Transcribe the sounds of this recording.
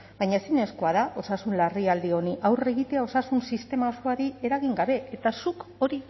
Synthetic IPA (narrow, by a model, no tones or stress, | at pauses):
ɡaɲaesine̞sko̞að̞aʔo̞sasunlariald̪io̞niʔawre̞ɣit̪e̞ao̞sasunsist̪e̞mao̞skoaɾie̞ɾaɣiŋɡaβe̞et̪asuko̞ɾi